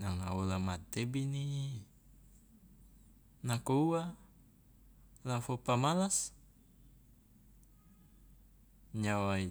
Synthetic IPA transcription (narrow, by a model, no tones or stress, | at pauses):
naŋa̰ulamat̪ebini | nakoua | lafopamalas | ɲawai